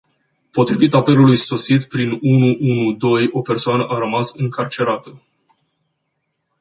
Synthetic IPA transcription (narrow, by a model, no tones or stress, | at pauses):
po̞t̪ɾivit̪ape̞lulujso̞sit̪pɾinunuʔunud̪o̞jo̞pe̞rsoanəʔaɾəmasɨŋkʰart͡ʃe̞ɾat̪ə